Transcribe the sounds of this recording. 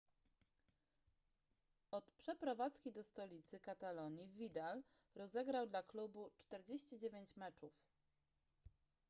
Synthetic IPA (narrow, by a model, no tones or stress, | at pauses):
ɔt̪pʂɛpɾɔvat̪skʲid̪ɔst̪ɔlʲit̪sɘkat̪alɔɲivvʲid̪al | ɾɔzɛɡɾawd̪laklubut͡ʂt̪ɛɾd͡ʑeɕt͡ɕid͡ʑevʲjeɲt͡ɕmɛt͡ʂuf